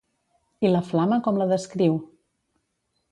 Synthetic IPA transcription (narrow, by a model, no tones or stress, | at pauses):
iləflaməkɔmləðəskɾiw